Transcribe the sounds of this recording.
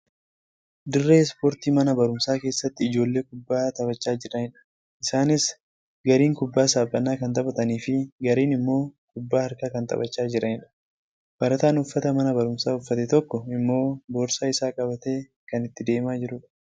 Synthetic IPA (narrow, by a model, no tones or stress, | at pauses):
d̪ɪrːeːspoːɾt̪iːmɐnɐbɐɾʊmsaːke̞ːsːɐt̪ːɪːd͡ʒo̞ːlːe̞ːkʊbːaːt̪ɐbɐt͡ʃːaːd͡ʒɪɾɐɪᶑɐ̥ | ɪsaːnɪs | ɡɐɾiːŋkʊbːaːsaːbːɐnːaːkɐnt̪ʼɐbɐt̪ɐniːfɪɡɐɾiːnɪmːo̞ːkʊbːaːɐɾkaːkɐnt̪ʼɐ̰bɐt͡ʃːaːd͡ʒɪɾʔɐɪᶑɐ̥ | b̥ɐɾɐt̪aːnʊfːɐt̪ɐmɐnɐbɐɾʊmsaːʊfːɐt̪ɛt̪ɔkːɔɪmːo̞ːboːɾsaːɪsaːkʼɐbɐt̪e̞ː | kɐnɪt̪ːɪd̪e̞ːmaːd͡ʒɪɾʊᶑɐ